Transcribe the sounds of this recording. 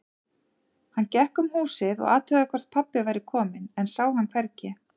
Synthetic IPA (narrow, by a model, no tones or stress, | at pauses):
hanːcɛhkʏmhuːsɪðɔ̰ɣaːt̪ʰœːɣðakʰvɛr̥t̪̚pʰapːɪvaːjɾɪkʰɔːmɪnɛnsaːwhankʰvɛɾcɛ